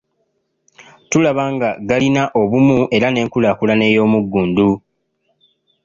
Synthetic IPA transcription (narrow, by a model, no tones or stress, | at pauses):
tulaβaːŋɡaɡalinaʔo̞βumuʔe̞ɾane̞ːŋkulaːkulane̞ːjo̞ːmuɡːuːndu